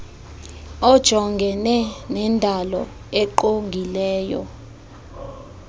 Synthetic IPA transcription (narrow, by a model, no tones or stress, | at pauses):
ɔd̥ʒ̥ʱɔŋɡʱɛnɛnɛndʱalɔ̰ | eǃoŋɡʱilɛːjɔ̰